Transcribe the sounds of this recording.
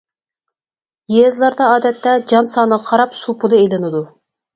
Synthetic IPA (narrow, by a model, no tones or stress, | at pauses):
jezlˠɑɾd̪ɑɑːd̪ɛt̪ːɛd͡ʒɑnsɑːnəqʰɑɾɑpsupʰulˠɨejlɪnɨd̪u